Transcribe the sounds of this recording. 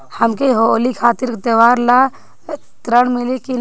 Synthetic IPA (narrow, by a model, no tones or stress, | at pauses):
hɐmkeɦolikʰaːt̪ɪɾkt̪əʋaːɾla | t̪ɾəɽmɪleki